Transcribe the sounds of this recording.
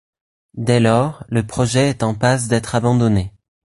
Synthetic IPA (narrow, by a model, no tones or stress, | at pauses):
d̪ɛlɔʁləpχɔʒɛːt̪ɑ̃pas̬d̪ɛt̪χabɑ̃d̪ɔne